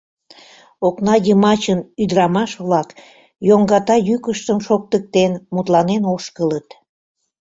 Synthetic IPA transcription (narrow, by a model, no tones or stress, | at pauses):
oknɑjəmɑt͡ɕənyd̪əɾɑmɑʃβlɑk | joŋɡɑt̪ɑjykəʃt̪əmʃok̚t̪ək̚t̪enmut̪lɑnenoʃkələt̪